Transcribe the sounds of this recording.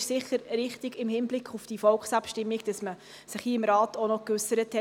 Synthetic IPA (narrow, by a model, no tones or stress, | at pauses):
ʃsɪχːəɾɾɪχtiɡɪmhɪnblɪkʰχufd̥ifɔlkχsɑpʃtɪmːiɡd̥ɑsmə | sɪχhiəɪmɾɑːtonɔkʉsəɾəthɛ